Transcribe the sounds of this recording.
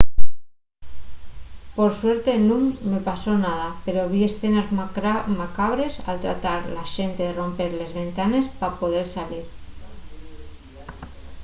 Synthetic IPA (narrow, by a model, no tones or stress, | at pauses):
poɾsweɾt̪e̞nuŋːepasonað̞apeɾoβ̞iesθenazmakaβ̞ɾe̞sa̰lt̪ɾa̰t̪aɾlaʃent̪eðero̞mpeɾle̞zβe̞nt̪ane̞spapoð̞eɾsaliɾ